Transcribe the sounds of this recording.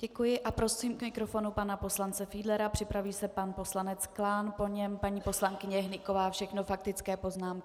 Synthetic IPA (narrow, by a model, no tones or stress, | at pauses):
ɟ̥ɛkujɪʔapɾo̞siːmkmɪkɾo̞fo̞nupanapo̞slant͡sɛfiːdlɛɾapr̥ɪpɾaviːsɛpanpo̞slanɛt͡sklaːnpo̞ɲɛmpaɲiːpo̞slaŋkɪɲɛɦnɪkovaːfʃɛxnofak̚t̪ɪt͡skɛːpo̞znaːmkɪ